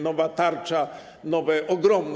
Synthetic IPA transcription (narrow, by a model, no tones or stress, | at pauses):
nɔvat̪aɾt͡ʂa | nɔvɛʔɔɡɾɔmn